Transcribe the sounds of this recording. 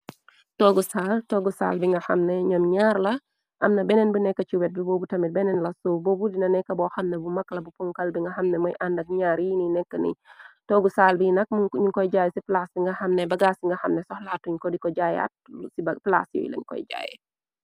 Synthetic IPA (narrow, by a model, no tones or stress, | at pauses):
tɔɡusaːltɔːɡusa̰ːlbiŋɡɐxɐmnɛɲɔmɲaːɾlɐ | ʔɐmnɐbɛnɛnbunɛkːɐt͡ʃiwɛt̚bibɔːbutɐmit̚bɛnɛnlɐsɔbɔbudinɐnɛkːɐbɔxɐmnɛbumɐkːlɐbupuŋkɐlbiŋɡɐxɐmnɛmɔ̰jʔandɐk̚ɲaːɾininɛkːənḭtɔːɡusaːlbinɐk̚muɲukɔjɟaːjɛsiplasbiŋɡɐxɐmnɛbɐɡaːsiŋɡɐxɐmnɛsɔhlatːuɲkɔdikɔɟaːja̰t̚sibpla̰sjɔ̰j̰lɐ̰ɲkɔ̰jɟa̰ːjɛ̰